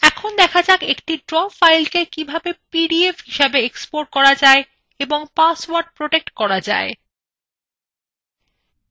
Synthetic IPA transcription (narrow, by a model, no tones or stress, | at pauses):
ɛkʰond̪ɛkʰad͡ʑakekʈiɖɾɔfajlkekibʱabepiɖiefɦiʃebeekspoɾ̚kɔɾad͡ʑae | eboŋpaswaɾɖ̚pɾoʈek̚ʈkɔɾad͡ʑa̰e